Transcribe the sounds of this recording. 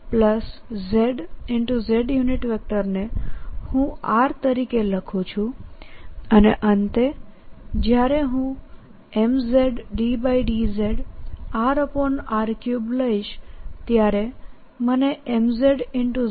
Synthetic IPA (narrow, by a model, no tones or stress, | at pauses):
pləszeɖɪɳʈuzeɖjuniʈʋɛk̚ʈəɾnehũaɾt̪əɾikeləkʰũt͡ʃʰũ | əneʔənt̪e | d͡ʒjaɾeɦũ | emzeɖːibaiɖizeɖaɾəpɔnaɾkjubləiʃt̪jaɾe | məneʔemzeɖɪɳʈu